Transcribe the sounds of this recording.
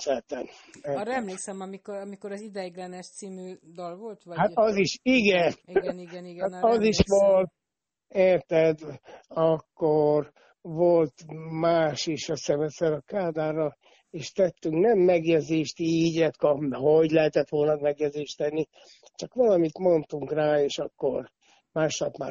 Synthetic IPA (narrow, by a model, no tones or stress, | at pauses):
sɛt̪ɛnɛɾɛmleːksɛmɒmikoɾɒmikoɾɒzid̪ɛɡlɛnɛʃt̪siːmyːd̪ɒlvolt̪ʋɒhat̪ɒziʃiɡɛniniɛiɡhaɒziʃʋolt̪̚ | eːrt̪ɛd̪ɒkːor | ʋolt̪maːʃeːʃɒsɛmɛsɛɾɒkaːd̪aːɾɒ | eːʃt̪ɛt̪ːyŋknɛmːɛɡjɛɟzeːʃt̪iːɟɛt̪kɒpɦoɟlɛɦɛt̪ɛt̪ʋo̞lnɒd̪mɛɡjɛdzeːʃt̪ɛnːi | t͡ʃɒkʋɒlɒmit̪mo̞nt̪uŋkraːeːʃɒkːo̰r | maːʃlɒpma̰ː